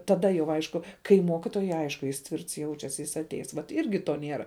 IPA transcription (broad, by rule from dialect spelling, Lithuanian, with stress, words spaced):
tɐˈdɐ jɛʊ ˈɐɪʃkʊ kɐɪ ˈmoːkʲɪtoːjʊɪ ˈɐɪʃkʊ jɪs ˈtʲʋʲɪrts ˈjɛʊt͡ʃʲɛs jɪs ɐtʲˈɛɪs ʋɐt ˈɪrʲɡʲɪ toː ˈnʲeːrɐ